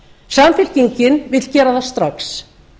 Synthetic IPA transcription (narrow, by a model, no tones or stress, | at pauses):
saːmfɪl̥ciɲcɪnvɪt̪l̥cɛːɾaðast̪ɾaks